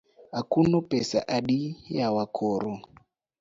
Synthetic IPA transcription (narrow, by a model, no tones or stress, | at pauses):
ɦakunɔpɛsa̰ʔaɗijawakʰɔːɾɔ